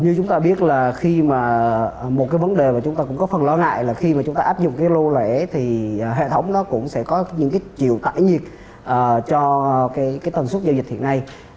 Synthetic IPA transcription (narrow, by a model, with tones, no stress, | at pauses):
ɲɨ˧t͡ɕʊ˨˦ŋ͡mt̪aː˧ɓi˦˥ət̚laː˨˩xi˧maː˨˩mo˨˩t̚kaː˨˦jvə˨˦nɗe˨˩maː˨˩t͡ɕʊ˨˦ŋ͡mt̪aː˧kʊ̰˧˥ŋ͡mkɔ˨˦fə˨˩nlɔ˧ŋa̰ː˧˨jlaː˨˩xi˧ma˨˩t͡ɕʊ˨˦ŋ͡mt̪aː˧ʔaː˦˥p̚zʊ̰˧˨ŋ͡mkaː˨˦jlo˧le˧˩˥t̪ʰi˨˩˨ɦḛ˧˨t̪ʰə˨˦wŋ͡mnɔ˨˦kʊ̰˧˥ŋ͡msɛ̰˧˥kɔ˨˦ɲɨ̰˧˥ŋkaː˨˦jt͡ɕḭ˧˨əwt̪a̰ː˧˨jɲi˨˩ək̚ | ʔəː˨˩t͡ɕɔ˧kaː˨˦jkaː˨˦jt̪ə˨˩nswt̚zaː˧zï̟˨˩t̪ʰḭ˧˨ə˨na˧j